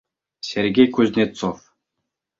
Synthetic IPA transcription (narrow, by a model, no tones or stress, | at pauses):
sʲerɡʲejkuzʲnʲet̪t͡sof